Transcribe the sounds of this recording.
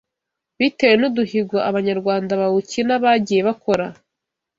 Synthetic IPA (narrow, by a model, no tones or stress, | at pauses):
βitewenuduhiɡwoʔaβaɲaɾɡwaːndaβawucinaβaɟije̞βako̞ɾa